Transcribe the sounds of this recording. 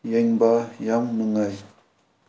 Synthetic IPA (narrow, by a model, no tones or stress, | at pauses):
jeŋbajamnɯŋaj